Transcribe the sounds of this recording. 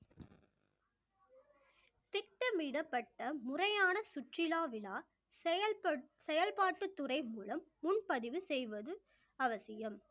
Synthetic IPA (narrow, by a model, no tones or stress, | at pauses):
t̪ɪk̚ʈːɐmiːɽɐpːɐʈːɐmʊrɐjaːnɐsʊʈrɪlaːʋɪlaː | sɛjɐlpaːʈːɯt̪ːʊrɐɪmuːlɐmːʊnpɐðɪʋɯsɛjʋɐðɯ | ɐʋɐsɪjɐm